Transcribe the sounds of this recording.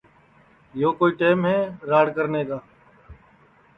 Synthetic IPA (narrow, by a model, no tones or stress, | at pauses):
joːkoːiːʈeːmɦɛːɾaːɽkəɾneːkaː